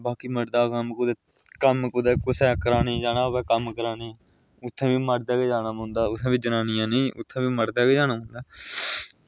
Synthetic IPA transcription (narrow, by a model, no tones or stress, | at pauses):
baːkiːməɽd̪aːkəmkʊd̪eː | kəmkʊd̪eːkʊsɛːkəɾaːnĩːd͡ʒaːnaːʋɛːkəmkəɾaːneː | ʊt̪ʰːẽːʋiːməɽd̪aːɡeːd͡ʒaːnaːmʊ̃ːnd̪aːʊsãːbiːd͡ʒənaːnɪjãːnẽːʊt̪ʰːẽːbiːməɽd̪aːɡeːd͡ʒaːnaːɦʊ̃nd̪aː